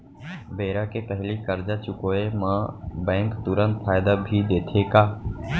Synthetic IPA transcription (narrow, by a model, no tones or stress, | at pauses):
beːɾaːkeːpəɦlikəɾd͡ʒaːt͡ʃʊkoːemãːbɛ̃ːŋkt̪ʊɾə̃nt̪pʰaːɪd̪aːbʱiːd̪eːt̪ʰeːkaː